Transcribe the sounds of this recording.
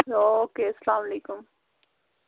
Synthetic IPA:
oːkeːsəlaːmɐleːkʊm

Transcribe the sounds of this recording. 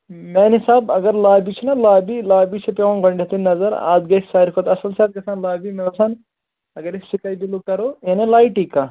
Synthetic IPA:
mɛːnisaːbɐɡɐɾlaːbit͡ʃʰinɐlaːbilaːbit͡ʃʰipeʋɐ̃nɡɐɳɖɐt̪innɐzɐɾa̰ːd̪ɡɐksaːɾikʰot̪ɐsɐlsaːt̪̚ɡɐsaːnlaːbimeʋɐsʰan | ɐɡɐɾisikajb̪ilukɐɾoːjenelaːiʈiːkaː

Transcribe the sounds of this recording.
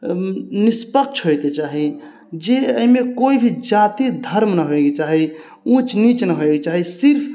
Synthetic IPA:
nispəkt͡ʃʰɦojt̪et͡ʃaɦi | d͡ʒeəimekoibʱid͡ʒat̪id̪ʱəɾmnəɦoeɡet͡ʃaɦi | ũt͡ʃnit͡ʃnəɦoeɡet͡ʃaɦisiɾpʰ

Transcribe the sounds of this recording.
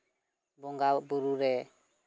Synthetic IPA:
bɔŋɡabuɾuɾɛ

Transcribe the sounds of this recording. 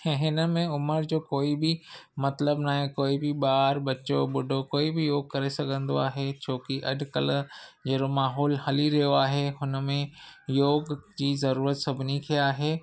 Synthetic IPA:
ɦɪnə̆mẽʊməɾd͡ʑoːkoːibʱɪmɐt̪ləbnaːɦĩkoːibiɓaːɾbɐt͡ɕoɓʊɖʱokoːibʱɪjoːɡ̚kɐɾesɐɡʱə̃nd̪oaːɦet͡ɕʰoːkiʔɐ̰ɖʱkɐ̰ld͡ʑɐɾomaːɦɔːlhɐliɾɐɦjoaːɦeɦʊnə̆mẽjoːɡd͡ʑiːzɐɾuːɾət̪sɐbʱɪnikʰiaːɦeː

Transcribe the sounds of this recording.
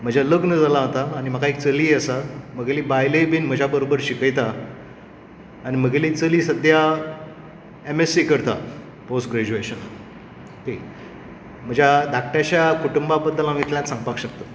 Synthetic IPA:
m̤əd͡ʑʱaləknəd͡zalaɦt̪aːñim̤əkʰaek̚t͡səliːəsam̤əɡelibajləjbiːnm̤əd͡ʑʱabəɾobəɾɕikəjt̪a | ɽim̤əɡelit͡səliːsəd̪ʱja | emesikəɾt̪a | posʈɡɾed͡ʑueɕənla | ke | m̤əd͡ʑʱjad̪ʱakʈjat͡ɕjakuʈumbabəd̪ːəlamit̪ljãt̪sãŋɡpakɕək̚t̪o

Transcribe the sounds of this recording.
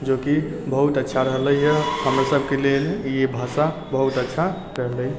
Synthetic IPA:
d͡ʒokibəɦut̪ətːʃʰaɾəɦləjəhəmɾasəbʱkeleljebʱasa | bəɦut̪ətːʃʰa | ɾəɦləj

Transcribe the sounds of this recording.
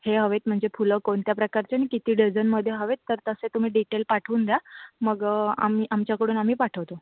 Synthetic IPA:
heɦəʋet̪̚m̤əɳd͡zefuləkoɳt̪japɾəkaɾt͡ɕanikit̪iːɖid͡zənməd̪ʱːjeɦəʋet̪ːəɾt̪əset̪um̤iːɖiʈelpaʈʰuːnd̪jaməɡa̰miːʔamt͡ɕjakəɽuːnam̤iːpaʈʰəʋt̪o

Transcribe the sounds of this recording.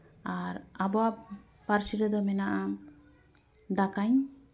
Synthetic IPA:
aɾabɔap | paɾsiɾɛd̪ɔmɛnaʔa | d̪akaɲ

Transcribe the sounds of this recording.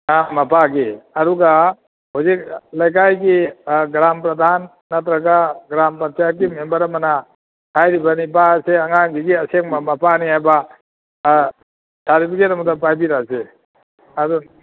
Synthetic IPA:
amapʰaɡiaɾuɡa | huzik̚lajk̬ajɡiɡɾampɾad̪ʱanː | at̪ɾaɡaɡɾampant͡ʃaɾɡimembaɾamana | hajɾibanibaseaŋaŋɡiɡiaseŋmamapʰaniajba | sʰaɾipʰiketamudapajbiɾase | adun

